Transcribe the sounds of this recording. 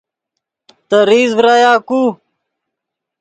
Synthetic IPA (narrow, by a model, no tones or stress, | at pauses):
t̪əɾiːzbɾaːjaːkuː